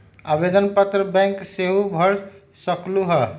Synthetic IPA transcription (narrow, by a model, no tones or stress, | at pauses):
abed̪ənpət̪ɾəbɛ̃ŋkseɦubʱʌɾ | səkluɦə